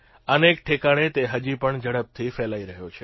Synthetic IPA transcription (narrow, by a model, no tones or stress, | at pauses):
ənekʈʰekaɽ̃et̪eɦəd͡ʒipəɳd͡ʒəɽəp̚t̪ʰifɛlaiɾəɦjot͡ʃʰe